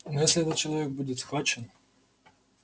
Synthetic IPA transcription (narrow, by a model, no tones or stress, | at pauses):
nɔjɛsʲlʲiɛt̪ɐt̪t͡ʃɐlˠɐvʲɛk̚bud͡zʲɛsxvat͡ʃɛn